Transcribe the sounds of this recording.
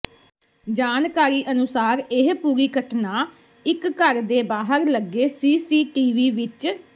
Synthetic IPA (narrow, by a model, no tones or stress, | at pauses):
d͡ʒaːnkaːɾiːʔənʊsaːɾɪɦpuːɾiːkəʈʰnaː | ɪkːəɾd̪eːbaːɦəɾləɡːeːsiːsiːʈiːʋiːʋɪt͡ʃ